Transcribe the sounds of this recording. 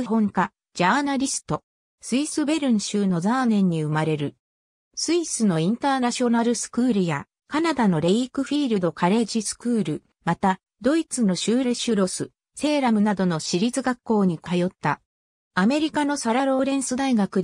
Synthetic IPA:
hõ̞ŋka | d͡ʑaːnaɾʲisɨ̥t̪o̞ | sɨisɨbe̞ɾɯ̟̃ɰ̃ɕɨːno̞zaːnẽ̞ɲ̟ːiɯ̟maɾe̞ɾɯ̟ | sɨisɨno̞ĩnt̪aːnaɕio̞naɾɯ̟sɨ̥kɯ̟ːɾɯ̟ja̰ | kanad̪ano̞ɾe̞ikɯ̟ɸʲiːɾɯ̟d̪o̞kaɾe̞ʑisɨ̥kɯːɾɯ̟ | mat̪a | d̪o̞it͡sɨno̞ɕɨːɾe̞ɕɯɾo̞sɨ | se̞ːɾamɯ̟nad̪o̞no̞ɕiɾʲit͡sɨɡakːo̞ːɲ̟ikajo̞t̪ːa | ame̞ɾʲikano̞saɾaɾo̞ːɾẽ̞ɰ̃sɨd̪aiɡakɯ̟

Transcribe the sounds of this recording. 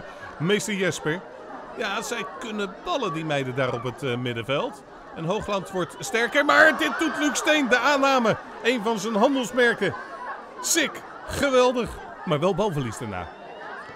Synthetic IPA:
mejstəɹjɛspəɹ | jaːz̥ɛjkɵnəb̥ɑlədimɛjdədaːrɔpətmɪdəvɛlˠt | ɛnɦowχlɑntʋɔɹtstɛɹkəɹmaːɹdɪt̚dutlykstejndəaːnaːmə | ejnvɑnzənɦɑndəlˠsmɛɹkə | sɪk | χəʋɛlˠdəχ | maːɹʋɛlˠbɑlˠvəlisdaɹna̰ː

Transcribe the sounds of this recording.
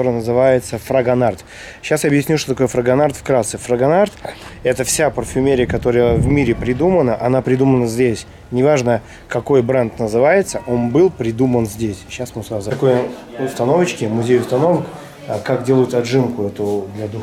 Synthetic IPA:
t̪oɾəjnəzɨvajɪt̪səfɾəɡɐnart̪ | ɕːasjaɐbjɪsʲnʲuʂt̪ot̪ɐkojəfɾəɡɐnart̪fkɾat̪sɨfrəɡɐnart̪ɛt̪əfsʲapərfʲʊmʲeɾʲɪjəkɐt̪o̞ɾəjəvmʲiɾʲɪpɾʲɪd̪umənəʔɐnapɾʲɪd̪umənəzʲdʲesʲ | nʲɪvaʐnə | kɐko̞jbɾant̪nəzɨvajɪt̪səʔo̞nbɨlˠpɾʲɪd̪umənzʲdʲesʲɕːasmʊsazt̪ɐko̞jʊst̪ɐnovət͡ɕkʲɪmʊzʲejʊst̪ɐno̞vək | kakdʲelˠəjʊt̪ɐʐɨmkʊɛt̪ʊd̪lʲɐd̪u

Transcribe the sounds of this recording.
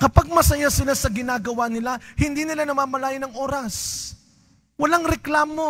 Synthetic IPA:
kɐpaɡ̚mɐsɐjasɪlasɐɡɪnaːɡɐwanɪlahɪnd̪iːnɪlanɐmaːmɐlaːjɪnɐŋʔo̞ːɾɐs | wɐlaŋɾɛklaːmo̞

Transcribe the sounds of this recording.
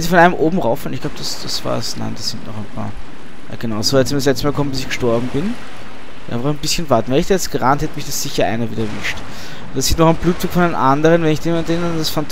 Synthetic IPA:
ɛnziːfɔnʔaɪnəmʔoːbm̩ʁaʊfənɪçɡ̥laʊb̚ə̥d̥asd̥asv̥a̰ːsna̰ɪnd̥asz̥ɪntnɔ̰χæɪnpʰa̰ːɐ | ʔa̰ɡ̥ənaʊsoɛtsmiɐdslɛt͡stəmaːlkʰɔmənmbɪsɪçɡ̥əʃtɔɐbm̩bɪn | v̥ʔa̰ɪ̰nfɐχɛnbɪsçənvaɐtn̩vɛːlɪçd̥aːjɛt͡stɡ̥əʁanthɛtəmɪçd̥asz̥ɪçɐʔa̰ɪnɐviːdɐɐvɪ̰ʃt | ʊntd̥asziːtnɔχæɪnb̥luːtukfɔndenʔandəʁənvɛnɪçd̥eːmantdendand̥asfant

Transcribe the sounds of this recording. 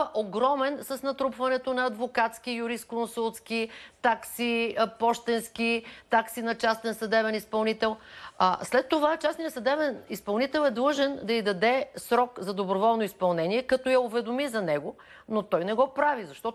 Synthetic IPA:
ɐʔoɡɾɔmɛnsɐsnɐt̪ɾupvɐnɛt̪onɐːd̪vokat̪sk̟ijuɾist̪̚konsulˠt̪skit̪aksipɔʃt̪ɛnsk̟it̪aksinɐt͡ʃast̪ɛnsɐd̪ɛbɛnispɐlˠnit̪ɛlˠəslɛt̪ːovat͡ʃasnijəsɐd̪ɛbɛnispɐlˠnit̪ɛlˠɛd̪lˠɤʒɛnd̪ɐid̪ɐd̪ɛsɾɔkzɐd̪obɾovɔlˠnoispɐlˠnɛniɛkɐt̪ojɐʊvɛd̪omizɐnɛɡo | not̪ɔjnɛɡɔpɾavizɐʃt̪ɔ

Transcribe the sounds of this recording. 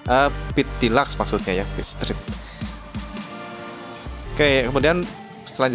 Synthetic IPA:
ʔəpit̪̚ːilaksmaksʊt̪̚ɲajafist̪ɾɪt̪̚ | kakəmudian | səlaɲd͡ʒ

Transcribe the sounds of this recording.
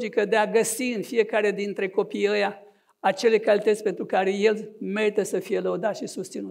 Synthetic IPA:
d͡ʒikəd̪eaɡəsiɨnfije̞kaɾed̪int̪ɾe̞ko̞pijəja | at͡ʃe̞le̞kalit̪ət̪sʲpe̞nt̪ɾukaɾe̞je̞lme̞ɾit̪əsəfije̞ləud̪at̪ʃisust̪sinu

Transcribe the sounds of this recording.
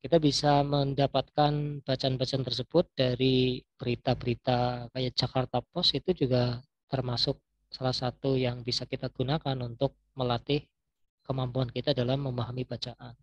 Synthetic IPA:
kit̪abisaməndapat̪̚kanb̥at͡ʃaːnbat͡ʃaant̪ərs̬əb̥ʊt̪̚d̥aɾib̥əɾit̪abəɾit̪akajad͡ʒakart̪apɔsit̪ud͡ʒuɡa | t̪ərmasʊk̚ | salahsat̪ujaŋbisakit̪aɡ̥unakanunt̪ʊk̚məlat̪ɪh | kəmampuankit̪adalahməmaɦamibat͡ʃaʔan

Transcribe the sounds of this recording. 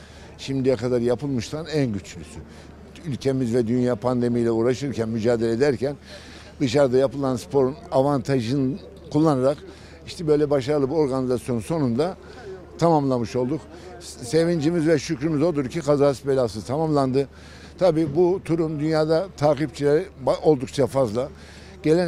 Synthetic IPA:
ʃimd̪ijɛkad̪aɾjapʰɯlˠmɯʃt̪ʰanænɟyt͡ʃlʲysy | ylʲcʰe̞mizvɛd̪ynjaːpʰand̪e̞mijlʲɛuːɾaʃɯɾcʰænmyd͡ʒaːd̪elʲed̪æɾcæn | d̪ɯʃaɾd̪ajapɯlˠanspʰo̞ɾunavant̪ʰaʒɯn | kʰulˠːanaɾak | iʃt̪ʰɛbø̞jlʲɛbaʃaɾɯlˠɯbio̞ɾɡanizasijo̞nunso̞nund̪a | t̪ʰamamlˠamɯʃo̞lˠd̪uk | se̞vind͡ʒimizvɛʃycɾymizo̞lˠuɾcʰikʰazaːsbelʲaːsɯzt̪ʰamamlˠand̪ɯ | t̪ʰabiːbut̪ʰuɾumd̪ynjaːd̪at̪ʰaːkip̚t͡ʃʰilʲɛɾbʔo̞lˠd̪uk̚t͡ʃʰafazlˠa | ɟ̥e̞lʲɛ

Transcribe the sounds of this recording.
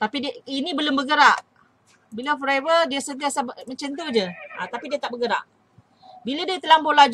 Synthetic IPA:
t̪apidinĩbəlombəɡəɾaʔ | biləfɔɾevədiasənt̪iasabmə̃ɲt͡ʃənt̪̬od͡ʒəat̪apidiat̪aʔbəɡəɾa̰ʔ | biladiat̪əlambolad͡ʒ

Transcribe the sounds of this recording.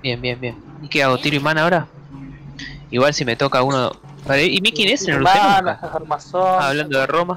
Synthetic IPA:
bje̞mbje̞mbje̞n | ikeaɣot̪iɾoimanaoɾa | iɣwalsime̞t̪o̞kauno | paɾaʔimikjenesenluselaaaɾmasoaβland̪oðeroma

